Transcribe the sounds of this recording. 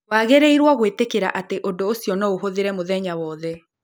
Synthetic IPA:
waːɣeɾeiɾwɔɣwetekeɾa̰ʔateʔodoːsiɔnɔoɦoðeɾɛmoðɛɲawɔðɛ

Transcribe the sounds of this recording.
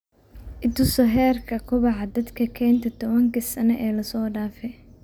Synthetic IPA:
ʔɪd̪ʊsɔɦɛːrkʰɐkʰʊβɑʕɑd̪ɐd̪kʰɐkʰɛːnt̪ʰɐt̪ʰɔβɐŋkɪsɐnɛʔɛːlɐsɔːɖaːfɛ

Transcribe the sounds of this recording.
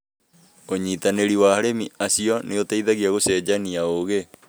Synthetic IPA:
oɲiːtaneɾiwaɦaɾemiasiɔneotaiðaɣiaɣosɛd͡ʑaniaoɣe

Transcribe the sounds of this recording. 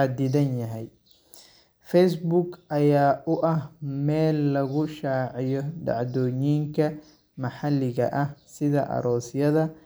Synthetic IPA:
ad̪ɪðɐnjɐɦɛj | fɛjsbʊɡʔɐjaːʔʊʔɐhmɛːlːɐɣʊʃaːʕɪjɔɖɑ̰ʕd̪ɔːɲiːŋkʰɐ | mɐħɑlːɪɣɐ̰ʔɐhsɪðɐʔɐ̰ɾɔːsjɐðɐ

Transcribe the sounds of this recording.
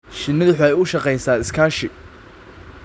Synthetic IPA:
ʃɪnɐðʊħɛjʊʃɑqɛjsaːɪskʰaːʃɪ

